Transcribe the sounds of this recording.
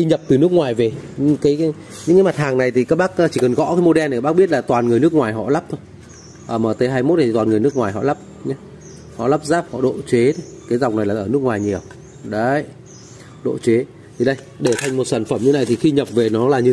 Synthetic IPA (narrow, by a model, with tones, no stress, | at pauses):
xi˧ɲə˨˩p̚t̪ɨ˨˩nɨ˦˥ək̚ŋwaː˨˩jve˨˩ɲ̰˧˥ŋkaː˨˦j | ɲɨ̰˧˥ŋkaː˨˦ma˨˩t̚haː˨˩ŋna˨˩jt̪ʰi˨˩kaː˦˥k̚ɓaː˦˥k̚ːt͡ɕi˧˩kə˨˩nɣɔ̰˧˥kaː˨˦jmo˧ɗɛ˧na˨˩˨ɓa˦˥k̚ɓi˦˥ət̚laː˨˩t̪waː˨˩nŋɨ˨˩əjnɨ˦˥əkŋwaː˨˩jɦɔ̰˧˨la˦˥p̚t̪ʰo˧j | ʔəː˧˩məː˧˩t̪ə˨˦jɦaː˧jmo˦˥t̚na˨˩˨waː˨˩nŋ˨˩jnɨ˦˥k̚ŋwaː˨˩jɦɔ̰˧˨la˦˥p̚ɲa˨˦ | hɔ̰˧˨la˦˥p̚zaː˦˥p̚hɔ̰˧˨ɗo̰˧˨t͡ɕe˨˦t̪ʰo˦ | kaː˨˦jza˨˩wk͡p̚na˨˩jlaː˨˩ʔəː˧˩nɨ˦ək̚ŋwaː˨˩jɲi˨˩əw | ɗə˨˦j | ɗo̰˧˨t͡ɕwe˨˦ | t̪ʰi˨˩ɗə˧j | ɗe˧˩t̪ʰa˧jŋ̟mo˨˩t̚saː˧˩nfə˧˩mɲɨ˧a˨˩jt̪ʰi˨˩xi˧ɲə˨˩p̚ve˨˩nɔ˨˦laː˨˩ɲɨ˧